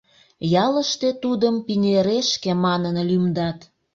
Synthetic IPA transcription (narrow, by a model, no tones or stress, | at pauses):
jɑləʃt̪e̽t̪ud̪əmpinʲeɾeʃkemɑnənlymd̪ɑt̪